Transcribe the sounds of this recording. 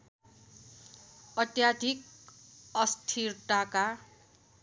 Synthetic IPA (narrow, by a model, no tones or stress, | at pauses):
ʌt̪jad̪ʱik | ʌst̪ʰirʈaka